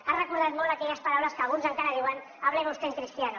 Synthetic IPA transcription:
arekuɾðat̪molt̪akɛʎaspaɾawlaskaɣ̞unzaŋkaɾaðiwan | aβ̞leβost̪eŋkɾist̪iano

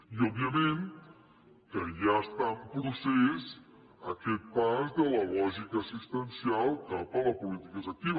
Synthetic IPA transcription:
iɔbiəmẽn | kəʒaəst̪ampɾusɛs | əkɛt̪̚pazd̪ələlɔʒikəsust̪ənsialˠkapələpulit̪ikəzək̚t̪iβ

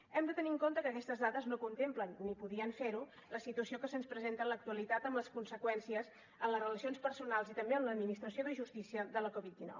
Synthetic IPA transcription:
ɛmd̪ət̪əniŋkont̪əkəːkɛst̪əzðaðəznokunt̪emplənːipuðiəɱfeɾu | ləsit̪uəsiokəsənspɾəzent̪ələk̚t̪uəlit̪at̪əmləskunsəkwɛnsiəz | əmləzrələsionspəɾsunalˠzit̪əmbeəmləːd̪minist̪ɾəsioðəʒust̪isiəðələkɔβit̪̚d̪inɔ̰w

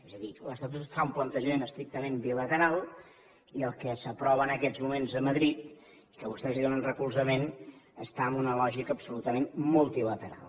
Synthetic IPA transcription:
ezəðiləst̪ət̪ut̪faumplənt̪əʒəmenəst̪ɾik̚t̪əmembilət̪əɾalˠ | iəlˠkɛsəpɾɔβəːnəkɛd͡zmumenzəməðɾit̪̚ | i̥kəβust̪ɛziðonənrəkulzəmenəst̪aəmbunəlɔʒikəpsulut̪əmenmulˠt̪ilət̪əɾa̰lˠ

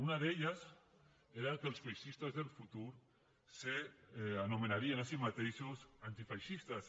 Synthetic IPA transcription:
unaðeʎas | eɾakelsfajʃist̪azðelfut̪uɾ | seanomenaɾienasimat̪ejʃusant̪ifajʃist̪as

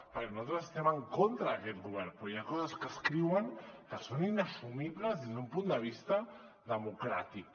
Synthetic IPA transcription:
pəɾkenuat̪ɾəsest̪ɛməŋkont̪ɾəːkɛt̪ɣuβ̞ɛɾpɾɔjakɔzəskəskɾiwəŋkəsoninəsumiβləzðezd̪umpund̪əβ̞ist̪ə | ðəmukɾat̪ik̚

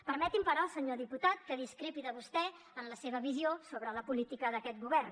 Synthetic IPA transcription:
pəɾmɛt̪impəɾɔəlˠsəɲoðiput̪at̪̚kəðiskɾepiðəβust̪ɛ | ənləseβəβiziosoβɾələpulit̪ikəðəkɛt̪̚ɡuβɛrn

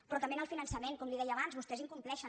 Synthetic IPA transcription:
pɾɔt̪əmbenəlˠfinənsəmenkɔmliðɛjəːβanzβust̪ɛziŋkumplɛʃə

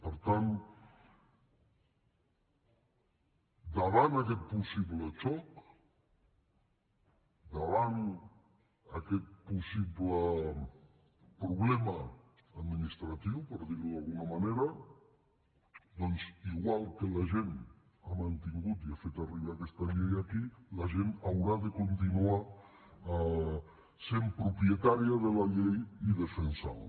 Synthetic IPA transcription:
pəɾt̪an | d̪aβanakɛt̪̚pusiβlət͡ʃɔk | d̪aβan | akɛt̪̚pusiβlə | pɾuβlɛməː | d̪minist̪ɾat̪iwpəɾðiɾuðalˠɣunamaneɾa | d̪ɔnziɣwalˠkəlaʒen | amant̪iŋɡut̪iafet̪ariβakɛst̪aʎejakilaʒenawɾaðəkunt̪inua | sempɾupɾiət̪aɾiaðəlaʎejiðəfənsa̰l

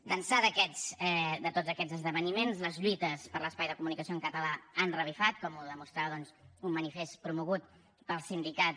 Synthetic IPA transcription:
d̪ənsaðəkɛsɛd̪ət̪ozəkɛd͡zəzðəβ̞ənimenzləzʎwit̪əspəɾləspajðəkumunikəsioəŋkət̪əlaːnrəβ̞ifat̪̚kɔmuðəmust̪ɾaβðɔnzumːənifest̪pɾumuɣut̪̚ | pəlˠsind̪ikat̪

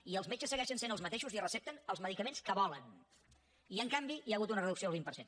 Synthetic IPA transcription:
iəlˠzmet͡ʃəsːəɣɛʃənsenəlˠzmət̪eʃuzirəsɛp̚t̪ənəlˠzməðikəmenskəβɔlən | iəŋkambiiaɣut̪unərəðuksioəlˠβimpəɾsen

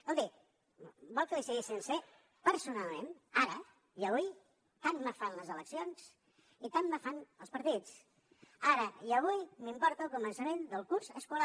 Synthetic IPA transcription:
əlˠd̪i | bɔlˠkəlisəɣisense | pəɾsunalˠmenaɾə | iəβ̞uj | t̪anːafanləzələksions | it̪amːəfanəlˠspəɾt̪it͡s | aɾəiəβ̞ujmimpɔɾt̪əːlˠkumənsəmend̪əlˠkuɾzəskula

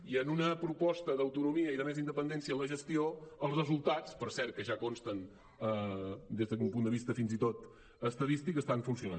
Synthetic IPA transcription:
iənunəpɾupɔst̪əðəwt̪unumiəiðəmezind̪əpənd̪ɛnsijələʒəst̪ioəlˠzrəzulˠt̪at͡spəɾsɛɾ̚kːəʒakonst̪ən | əd̪ezðəumpund̪əβist̪əfinzit̪ot̪ | əst̪əðist̪ikəst̪aɱfunsiuna̰n

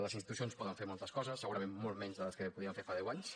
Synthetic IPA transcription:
ləzinst̪it̪usionspɔðəɱfeɾmolˠt̪əskɔzəsːəɣuɾəmemmolˠmɛɲzðələskəpuðiəɱfeɾfaðɛwaɲs

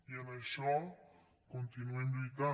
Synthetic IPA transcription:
janajʃo | kont̪inwẽnd̪oit̪a

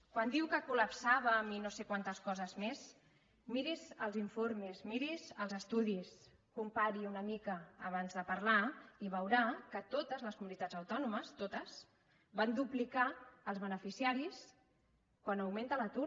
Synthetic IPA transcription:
kwand̪iwkəkuləpsaβəminosekwant̪əskɔzəzmez | miɾizəlˠziɱfoɾmezmiɾizəlˠzəst̪uðis | kumpaɾiunəmikəːβ̞anzðəpɐɾlaiβəwɾakət̪ot̪əzləskumunit̪add͡zəwt̪ɔnuməst̪ot̪əs | band̪uplikaːlˠzβənəfisiaɾis | kwanəwment̪ələt̪u

